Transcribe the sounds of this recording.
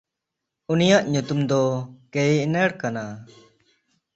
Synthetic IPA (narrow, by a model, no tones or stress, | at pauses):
unijaʔɲut̪umd̪ɔkɛjnɛɽkana